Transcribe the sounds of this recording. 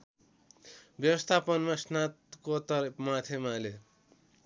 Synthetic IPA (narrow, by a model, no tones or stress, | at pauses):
bjʌwʌst̪ʰapʌnmasnat̪kot̪ʌrmat̪ʰemale